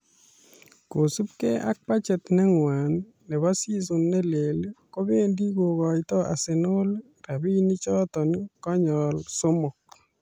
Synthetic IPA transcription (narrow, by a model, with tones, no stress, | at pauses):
ko˨su˦p̚ke˦ʔa̰˦k̚pa˦t͡ʃɛ˨t̪nɛ˦ŋwa˨nː | ɛ˨βa˦si˦s̬ʊ˨nːɛ˦le˨lko˦be˦ndi˦ɡo˨kɔ˨ɪt̪ɔ˦ʔa̰˨sɪ˨no˦l | ra˨bi˦ni˦t͡ʃɔ˦t̪ɔ˨nkɔ˦ɲɔ˨lso˦mɔ˨k̚